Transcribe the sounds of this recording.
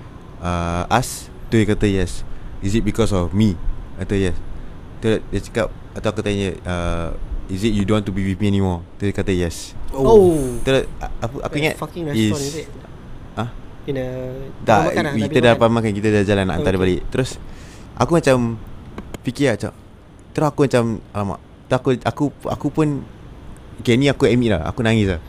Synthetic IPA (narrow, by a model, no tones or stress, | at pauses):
əʔas | t̪ujikat̪əjɛsisit̚bikɔsɔfmiat̪əjɛs | t̪əl̚dat͡ʃə̥kap̚ | at̪awakut̪aɲəʔə | isit̚judontubiwiθmiɛnimɔt̪ujkat̪əjɛsot̪əɾʊsaʔa̰kuiŋa̰tis | a | dakiədapamakankit̪ədad͡ʒalanːa̰ʔa̰nt̪aɾəbaleʔt̪əɾʊsʔa̰kumat͡ʃam | fikiat͡ʃa̰ | t̪əɾʊsakumat͡ʃamalama̰ʔ | t̪əɾakuakua̰kupʊn | okenĩakuɛmiʔla̰a̰kunaŋɪsa